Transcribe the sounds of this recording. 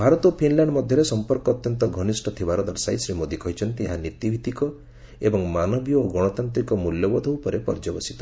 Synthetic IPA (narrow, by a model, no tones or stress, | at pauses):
bʱaɾɔt̪ɔpʰinlaɳɖmɔd̪ʱjɔɾesɔmpɔɾkɔːt̪jɔnt̪ɔɡʱɔnisʈʰɔt̪ʰibaɾɔd̪ɔɾsajsɾimod̪ikɔɦit͡ʃʰɔnt̪iɦãnit̪ibʱit̪ikɔ | ebɔŋmanɔbjɔoɡɔɽ̃ɔt̪ant̪ɾikɔmuljɔbɔd̪ʱeupɔɾepɔ̰ɾd͡ʒɔbɔsi̥t̪ɔ̥